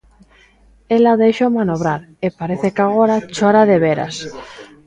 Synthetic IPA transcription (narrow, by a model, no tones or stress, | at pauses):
elaðeʃomanoβ̞ɾaɾepaɾeθekaɣo̞ɾat͡ʃoɾaðeβ̞eɾa̰s